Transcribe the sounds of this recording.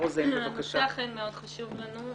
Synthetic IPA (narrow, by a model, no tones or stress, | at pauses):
ozeevakaʃaaχenmeod̪̥χaʃuvlanu